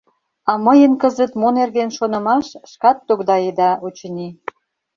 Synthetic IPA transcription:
ɑməjənkəzə̆t̪monerɣenʃonə̆mɑʃʃkɑt̪ːokd̪ɑed̪ɑʔot͡ɕə̆ni

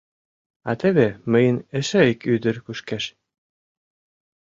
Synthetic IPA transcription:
ɑt̪ĕβĕmə̆jə̆nɘ̆ʃɘ̆ikyd̪ɘ̆ɾkuʃkæʃ

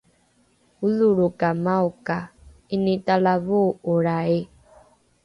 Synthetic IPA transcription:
uluɾokamaokainitalavooɾae

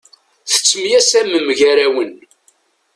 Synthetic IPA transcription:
θə̥t͡sːmjæsæməmːʝæɾæwən

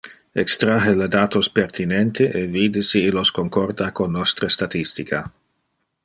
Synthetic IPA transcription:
ekst̪ɾaɦeled̪aːt̪ospert̪ʰinent̪eʔeviːd̪isiːloskoŋkɔrd̪akonːost̪ɾəst̪at̪ist̪ikʰa

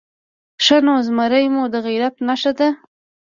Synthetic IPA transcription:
ʃanozmaɾəjmud̪əɣiɾat̪naʃad̪a

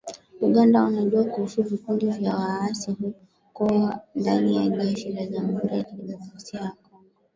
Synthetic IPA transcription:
uɠandaunaʄuakuhusuvikundivjawaasiɦu | kɔwandanijaʄɛʃilaʄamhuɾiatiliɓatafsiawakɔŋɡɔ

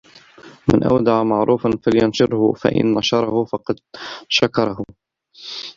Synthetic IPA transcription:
mɪ̰nʔa̰wd̪aʕamaʕɾuːfanfaljʊnʃʊɾhʊfa̰ʔɪ̰nːɑʃɑɾˤɑhʊfɑqɑd̪ʃakɑɾˤɑhʊ

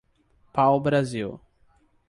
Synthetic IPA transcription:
pawbɾaziw

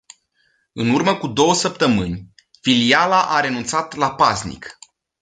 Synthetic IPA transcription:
ɨnurməkud̪o̞wəsəp̚t̪əmɨnʲ | filialaʔaɾe̞nunt̪sat̪lapaznḭk

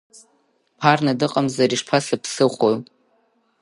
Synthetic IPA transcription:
pʰarnadɨqʼamzaɾiʂpʰasapʰsɨχʷojʼ

